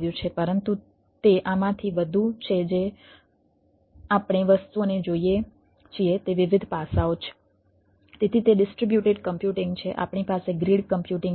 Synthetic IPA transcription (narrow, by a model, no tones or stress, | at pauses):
ʋjũt͡ʃʰepəɾənt̪u | t̪eʔamãt̪ʰiʋəd̪ʱut͡ʃʰed͡ʒe | apɳ̃eʋəst̪uoned͡ʒoie | t͡ʃʰiet̪eʋɪʋɪd̪ʱpasaot͡ʃʰe̥ | t̪et̪ʰit̪eɖɪsʈɾibjuʈeɖkəmpjuʈɪ̃ŋɡt͡ʃʰeʔa̰pɳipaseɡɾiɽkəmpjuʈɪ̃ŋ